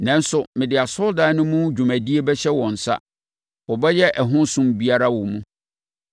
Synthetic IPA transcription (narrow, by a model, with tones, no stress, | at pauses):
nã˨˦n˦sʊ˨mɪ̃˨dɪ˨a˨sʊ˦ldã˨nʊ̃˦mũ˦d͡ʑᶣu˨mæ̃˨di˦e˦bɛ˦ɕɛ˦wɔ̃˨n̩˨sa̰˦ | wɔ˨bɛ˦jɛ˦ʔɛ˨ɦʊ̃˦nsũ˦mbi˦a˦ɾa˦wɔ˨mũ˦